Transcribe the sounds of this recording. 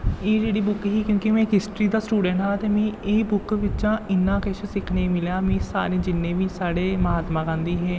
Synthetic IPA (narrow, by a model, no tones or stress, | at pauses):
eːd͡ʒeːɽiːbʊkɦiːkjõːkɪmɛ̃ːkɦɪsʈɾiːd̪aːsʈuːɖə̃ɳʈɦaːt̪eːmɛ̃ːeːbʊkʋɪt͡ʃãːɪnːãːkɪt͡ʃʰsɪkʰnẽːmɪljaːmɛ̃ːsa̰ːɾẽːd͡ʒɪnːẽːʋiːsaːɽeːməɦaːt̪mãːkãːnd̪iːɦɛː